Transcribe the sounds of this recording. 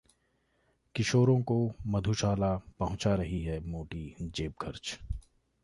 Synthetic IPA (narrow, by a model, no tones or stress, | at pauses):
kɪʃoːɾõkomɐd̪ʱuʃaːlapɐɦʊ̃t͡ʃaɾɐɦiɦɛmoːʈid͡ʒeːp̚ɡʰəɾt͡ʃ